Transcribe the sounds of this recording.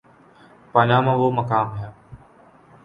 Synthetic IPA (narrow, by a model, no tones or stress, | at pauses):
paːnãːmãːʋoːməkaːmɦjaː